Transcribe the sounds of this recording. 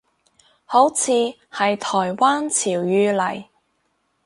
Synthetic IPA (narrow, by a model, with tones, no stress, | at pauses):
ho˨˥wt͡sʰiː˨˧ | hɐ˨jt̪ʰɔː˨˩jwaː˥nt͡sʰiː˨˩wjyː˧lɐ˨˩j